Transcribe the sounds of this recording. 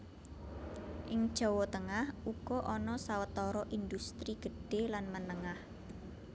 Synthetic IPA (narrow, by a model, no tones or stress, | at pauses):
ʔɪŋd̥ʒ̥ɔ̤wɔt̪əŋahuɡ̥ɔʔɔnɔsawət̪ɔɾɔʔind̪ust̪ɾiɡ̥ə̤ɖ̥e̤lanmənəŋah